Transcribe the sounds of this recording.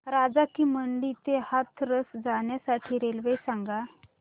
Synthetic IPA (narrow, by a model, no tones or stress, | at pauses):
ɾad͡zakiːməɳɖiːt̪ehat̪ʰɾəsd͡zaɳjasaʈʰiːɾelʋejsaŋɡa